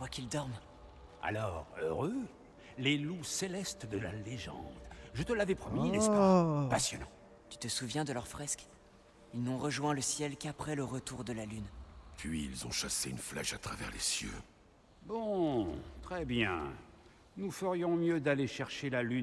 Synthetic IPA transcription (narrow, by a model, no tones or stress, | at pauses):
vwakild̪ɔʁm | a̰lɔːʁø̰ʁø | leluselɛst̪d̪əla̰leʒɑ̰̃d̪ʒət̪əlavɛpχɔminɛspapasjɔnɑ̰̃ | t̪y̥t̪əsuvjɛ̃d̪əlœʁfχɛsk | ilnɔ̃ʁəʒwɛ̃ləsjɛlkapχɛləʁət̪uʁd̪əlalynpɥiːlzɔ̃ʃaseynfla̰ʃat̪χavɛ̰ʁlesjø̰ | bɔ̃t̪χɛbjɛ̰̃ | nufəʁjɔ̃mjød̪aleʃɛʁʃelalyn